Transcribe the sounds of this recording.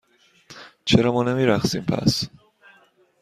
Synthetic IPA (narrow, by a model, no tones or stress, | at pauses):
t͡ʃʰeɾɒːmɒːnemiːɾæxsiːmpʰæ̰s